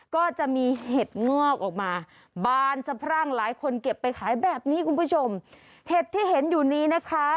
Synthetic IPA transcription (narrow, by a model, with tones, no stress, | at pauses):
kɔː˥˩t͡ɕa˨˩ʔmiː˧heː˨˩t̪̚ŋɔː˥˩k̚ʔɔː˨˩k̚maː˧ | baː˧˩nsa˧pʰɾa˥˩ŋlaː˩˦jkʰo˧nke˨˩pːa˧jkʰaː˩˦jbɛː˨˩p̚niː˦˥kʰu˧npʰuː˥˩t͡ɕʰo˧m | heː˨˩t̪ʰːiː˥˩ɦe˩˦njuː˨˩niː˦˥˩na˦˥kʰa˦˥